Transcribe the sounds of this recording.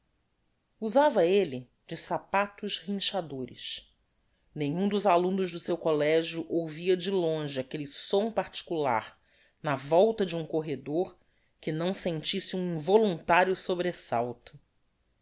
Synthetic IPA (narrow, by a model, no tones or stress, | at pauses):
uzavɐelɪ | d͡ʒɪsapat̪ʊʃhĩʃad̪oɾɪ̰ʃ | nẽɲũd̪ʊzalũnʊʒd̪ʊsewkolɛʒjuʔowviɐd͡ʒɪlõʒɪakelɪsõw̃paɾt͡ʃi̥kula̰ɾ | nɐvɔwt̪ɐd͡ʒɪũkoɦed̪oɾ | kɪnɐ̃w̃sẽnt͡ʃisɪũĩvolũnt̪aɾijʊsobɾesa̰wt̪ʊ̥